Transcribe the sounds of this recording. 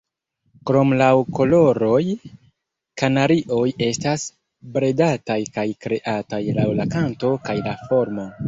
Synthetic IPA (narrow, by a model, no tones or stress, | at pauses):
kɾo̞mlawko̞lo̞ɾo̞j | kanaɾiʔo̞je̞stas | bɾe̞datajkajkɾe̞ʔatajlawlakanto̞kajlafo̞ɾmo